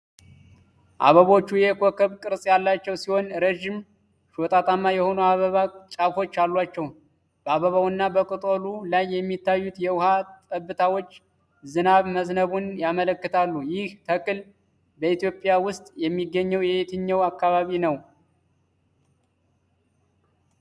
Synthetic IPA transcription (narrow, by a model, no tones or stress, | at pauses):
ʔa̰βəβo̞t͡ʃːujɛko̞kʰəβkʼɨɾsʼjalːat͡ʃːɛwsiho̞nɾeʒɪm | ʃot̪ʼat̪ʼamːajɛho̞nuwaβəβat͡ʃʼafo̞t͡ʃːalːwat͡ʃːɛw | b̥əaβəβawɨnːabəkʼɨt̪ʼolulajːɛmːit̪ʰːajːut̪jɛwʊhat̪ʼəbːɨt̪ʰawo̞t͡ʃː | zɨnaβməznəβunjamələkːɨt̪ʰalːujɪht̪ʰəkʼɨl | bəit̪jo̞pʼːɪjawʊst̪ʼjɛmːiɡːəɲːɛwjɛt̪ʰɨɲːɛwakːaβaβinəw